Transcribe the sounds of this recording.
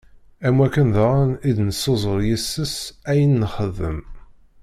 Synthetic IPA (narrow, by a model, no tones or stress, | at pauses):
æmwækːənðaʁænid̪nəsːozˤəɾˤjisːəsæjənːəχəðə̰m